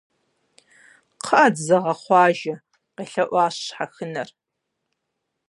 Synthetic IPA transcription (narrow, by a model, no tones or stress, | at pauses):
qʰəʔadzɐʁɐχʷɑːʒɐ | qeːɬɐʔʷɑːɕɕħaxɨnɐr